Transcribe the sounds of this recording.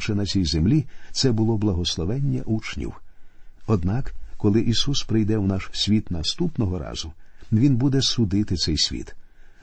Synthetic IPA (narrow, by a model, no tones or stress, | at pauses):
ʃɛnɐt͡sʲijzemlʲit̪sɛbʊlˠɔblˠɐɦɔslˠɔʋɛnʲːɐʔut͡ʃnʲḭw | ɔd̪nɑkkɔlˠɪʔisuspɾɪjd̪ɛwnɑʃsʲʋʲit̪nɐst̪upnɔɦɔɾɑ̰z̥ʊʋʲinbud̪ɛsʊd̪ɪt̪ɪt̪sɛjsʲʋʲḭt̪